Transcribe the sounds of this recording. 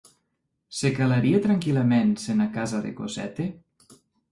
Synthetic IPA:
sekalaɾiet̪ɾaŋkilamensenakazaðḛko̰zɛ̰t̪e

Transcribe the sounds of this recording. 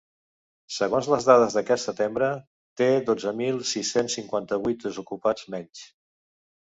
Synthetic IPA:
səɣonzləzðaðəzðəkɛt̪sət̪embɾə | t̪eðod͡zəmilˠsisensiŋkwant̪əβujt̪̚d̪əzukupad͡zmɛɲs

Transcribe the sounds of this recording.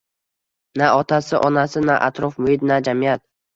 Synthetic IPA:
naɒt̪ʰasɪʔɒnasɪnaʔa̰t̪ɾɒfmʊhɪt̪̚nad͡ʒamɪjat̪̚

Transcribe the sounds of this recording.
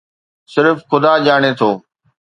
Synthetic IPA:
sɪɾfxʊd̪aːʄaːɽ̃et̪ʰoː

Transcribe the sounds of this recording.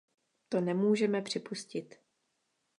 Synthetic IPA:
t̪o̞nɛmuːʒɛmɛpr̝̥ɪpuscɪt̪

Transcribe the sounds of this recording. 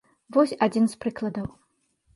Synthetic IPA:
vɔsʲad͡zʲinspɾɨklˠɐd̪ɐw

